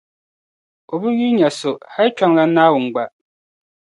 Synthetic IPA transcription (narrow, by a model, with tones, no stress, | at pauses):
o˨bu˦ɣi˦ɲa˨so˨ha˦t͡ʃa˦ŋla˦na˦wu˨ŋ̩˨ɡ͡ba˨ʔ